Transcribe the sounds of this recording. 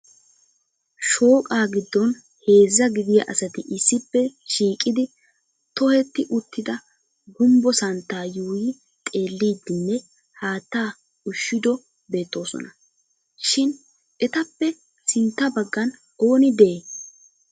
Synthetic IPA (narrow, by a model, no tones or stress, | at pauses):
ʃo̞ːkʼaːɡɪd̪ːɔn | he̞ːzːɐɡɪd̪ɪjɐ̰ʔɐsɐt̪ɪʔɪsːɪpːɛʃiːkʼɪd̪ɪ | t̪ɔhɛt̪ːɪʔʊt̪ːɪd̪ɐ | ɡʊmbɔsɐnt̪ːaːjuːjɪ | t̪ʼe̞ːlːiːd̪ːɪnːɛ | haːt̪ːaː | ʊʃːɪd̪ɔ | be̞ːt̪ːo̞ːsɔ̰nɐ | ʃɪn | ɛt̪ɐpːɛ | sɪnt̪ːɐbɐɡːɐn | o̞ːnɪd̪ɛʔeː